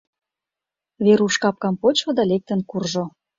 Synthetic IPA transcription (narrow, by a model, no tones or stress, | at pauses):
βeɾuʃkɑp̚kɑmpot͡ɕŏd̪ɑlek̚t̪ə̆nkurʒo